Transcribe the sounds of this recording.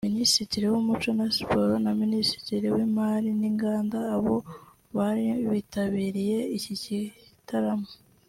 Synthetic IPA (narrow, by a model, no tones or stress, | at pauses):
minisitiɾiwumut͡ʃo̞nasi̥po̞ɾonaminisi̥tiɾiwimaːɾiniŋɡaːndaːβo̞ | βaɾiβitaβiːɾije̞icicitaɾamo